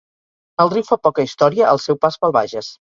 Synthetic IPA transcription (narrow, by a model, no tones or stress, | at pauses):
əlˠriwfapɔkəist̪ɔɾiəəlˠsɛwpazβəlˠβa̰ʒəs